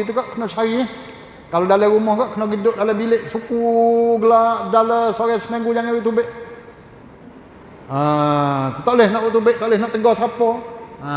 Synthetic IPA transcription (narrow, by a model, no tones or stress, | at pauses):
t̪̬ukaʔkənɔsaɾi | kalodaləɾumɔhkaʔkənɔɡidʊʔ̚daləbilɪʔsukuɡəlaʔdaləsoɾɛsəmaŋɡud͡ʒaŋewut̪ubɪʔ | a | ət̪aʔlɪhnɔʔwuʔt̪ubɪʔt̪aʔlɪhnɔʔt̪əɡɔsapɔa